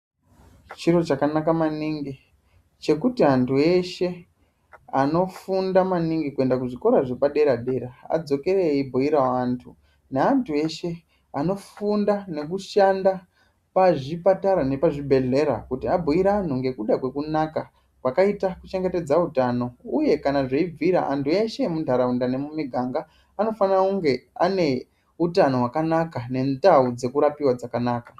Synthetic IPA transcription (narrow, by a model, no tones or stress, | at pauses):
t͡ʃiɾo̞t͡ʃakanakamaniŋɡi | t͡ʃe̞kutiantʰue̞ʃe̞ | ano̞fundamaniŋɡikue̞ndak̬uʐiko̞ɾaʐepaɗe̞ɾaɗe̞ɾaa̰d͡zo̞ke̞ɾeibʱoiɾaantʰu | neantʰue̞ʃe̞ | ano̞fundane̞kuʃanda | paʐipataɾane̞paʐibʱe̞ɮe̞ɾa̰kutiabʱoiɾaːn̤uŋɡe̞kuɗakwe̞kunaka | kwakaitakut͡ʃe̞ŋɡe̞te̞d͡zautano̞uje̞kanaʐeib͡viɾa̰ʔa̰ntʰue̞ʃe̞mundʱaɾaundane̞mumiɡʱaŋɡaː | no̞fanakuŋɡe̞ane̞ | utano̞wakanakane̞ndaud͡ze̞kuɾapiwad͡zakanaːka